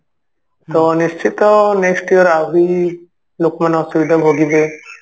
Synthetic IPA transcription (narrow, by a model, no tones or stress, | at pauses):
t̪ɔniʃt͡ʃit̪ɔneksʈijɔɾabi | lokmanɔsuʋid̪ʱabʱoɡibe